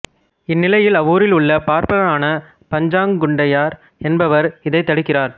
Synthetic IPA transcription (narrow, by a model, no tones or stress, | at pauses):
ɪnːɪlɐjɪlɐʋuːɾɪlʊɭːɐpaːɾpɐɣɐɭaːnɐ | pɐɲd͡ʒaːŋɡʊɳɖɐjaːɾ | ɛnbɐʋɐɾɪðɐɪt̪ːɐɽɪkːɪraːɾ